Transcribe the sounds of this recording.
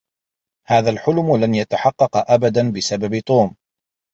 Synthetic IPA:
haːðalħʊlmʊlanjat̪aħɑqːɑqʔabad̪anbɪsababɪt̪ˤuːm

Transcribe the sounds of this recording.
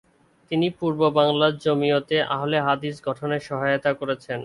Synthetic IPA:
t̪inipuɾbobaŋlaɾd͡ʑomiot̪eʔa̰ɦoleɦad̪iʃɡʱɔʈʰoneɾʃɔɦajot̪akoɾet͡ɕʰen

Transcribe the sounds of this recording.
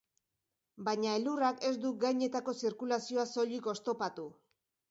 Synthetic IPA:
baɲaelurake̞sd̪uɡajɲe̞t̪ako̞siɾkulasioaso̞ʎiko̞st̪o̞pat̪u

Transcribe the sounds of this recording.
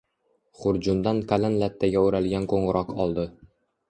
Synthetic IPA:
χʊɾd͡ʒʊnd̪ankʰalanlat̪ːaɡʲaɵɾalɡʲankʰoɴʁʊɾʔɒqʰɒlˠd̪ɪ

